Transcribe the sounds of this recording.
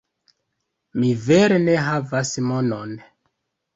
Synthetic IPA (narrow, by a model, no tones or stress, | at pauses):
miveɾene̞ɦavasmonon